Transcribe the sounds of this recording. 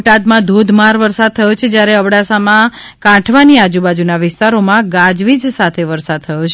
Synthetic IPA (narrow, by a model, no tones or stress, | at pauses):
ʈad̪mãd̪ʱod̪ʱmaɾʋəɾsad̪̚t̪ʰəjot͡ʃʰed͡ʒjaɾeəʋɽasamã | kãʈʰʋaniad͡ʒubad͡ʒunaʋɪst̪aɾomãɡãd͡ʒʋid͡ʒsat̪ʰeʋəɾsad̪̚t̪ʰəjot͡ʃʰ